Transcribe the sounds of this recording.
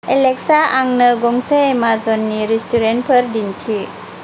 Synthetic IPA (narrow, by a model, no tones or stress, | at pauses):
elek̚saaŋnɯɡɔŋsemazɔnːiɾistuɾen̚pʰəɾdintʰi